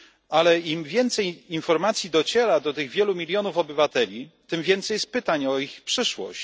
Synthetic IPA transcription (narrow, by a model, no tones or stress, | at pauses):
alɛimvʲjɛnt̪sɛjinfɔɾmat̪sʲjid̪ɔt͡ɕɛɾad̪ɔt̪ɘɣvʲjɛlumʲilʲjɔnufɔbɘvat̪ɛlʲit̪ɘmvʲjɛnt̪sɛjs̚pɘt̪aɲɔixpʂɘʂwɔ̰ɕt͡ɕ